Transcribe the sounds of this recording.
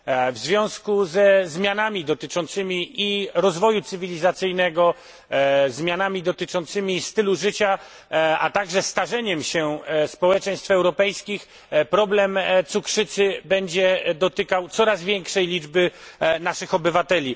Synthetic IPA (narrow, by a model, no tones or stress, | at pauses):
vzvʲjɔ̃w̃skuzɛzmʲjanamʲid̪ɔt̪ɘt͡ʂɔnt̪sɘmʲiiɾɔzvɔjut̪sɘvʲilʲizat̪sɘjnɛɡɔ | zmʲjanamʲid̪ɔt̪ɘt͡ʂɔnt̪sɘmʲist̪ɘluʐɘt͡ɕa | a̰t̪aɡʐɛst̪aʐɛɲɛmɕɛspɔwɛt͡ʂɛj̃st̪fɛwɾɔpɛjskʲix | pɾɔblɛmt̪sukʂɘt̪sɘbɛɲd͡ʑɛd̪ɔt̪ɘkawt̪sɔɾazvʲjɛŋkʂɛjlʲid͡ʐbɘnaʂɘxɔbɘvat̪ɛlʲi